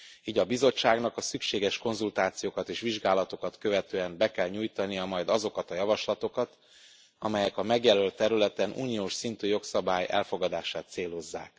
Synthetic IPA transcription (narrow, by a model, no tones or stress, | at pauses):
iːɟɒbizo̞t͡ʃːaːɡnɒkɒsykʃeːɡɛʃko̞nzult̪aːt̪sijoːkɒt̪eːʃʋiʒɡaːlɒt̪o̞kɒt̪kø̞vɛt̪øːɛmbɛkɛlɲujt̪ɒnijɒmɒjd̪ɒzo̞kɒt̪ɒjɒvɒʃlɒt̪o̞kɒt̪ | ɒmɛjɛkɒmɛɡjɛlølt̪ːɛɾylɛt̪ɛnʔṵːnijoːʃsint̪yːjo̞ksɒbaːjɛ̰lfo̞ɡɒd̪aːʃaːt̪seːlo̞zːa̰ːk̚